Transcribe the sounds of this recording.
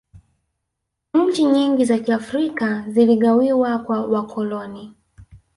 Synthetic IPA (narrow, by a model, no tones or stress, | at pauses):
ɲ̩t͡ʃiɲiŋɡizakiafɾikaziliɠawiwakwawakʰɔlɔni